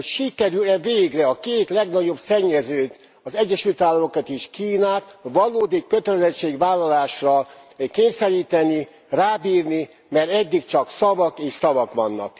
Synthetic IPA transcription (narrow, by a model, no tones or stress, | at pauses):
ocʃikɛɾylɛveːɡrɛɒkeːt̪lɛɡnɒɟo̞bsɛɲːɛzøːt̪ | ɒzɛɟːɛʃylt̪aːlːɒmo̞kat̪eːʃkiːnaːt̪ʋɒloːd̪ikːøt̪ɛlɛzɛt͡ʃːeːɡʋaːlːɒlaːʃrɒkeːɲsɛɾiːt̪ɛni | raːbiːrni | mɛrɛd̪ːikt͡ʃɒksɒvɒkeːʃsɒvɒkʋɒnːɒ̰k